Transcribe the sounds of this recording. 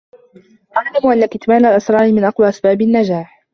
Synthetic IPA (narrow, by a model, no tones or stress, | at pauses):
ʔaʕlamʊʔalːakɪt̪maːlalʔɑsɾˤɑːɾɪmɪnʔɑqwaːʔasbaːbɪnːad͡ʒaːħ